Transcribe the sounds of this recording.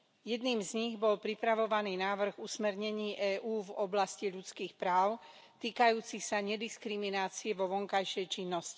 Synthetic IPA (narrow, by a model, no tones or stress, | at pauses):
jɛd̪niːmzɲiɣbɔlpɾipɾaʋɔʋaniːnaːʋr̩ɣusmɛɾɲɛɲiːʔɛːʔuːvɔblasciʎut͡skiːxpɾaːʊ | t̪iːkajuːt͡sixsaɲɛd̪iskɾiminaːt͡siɛʋɔʋɔŋkajʃɛjt͡ʃinːɔsci̥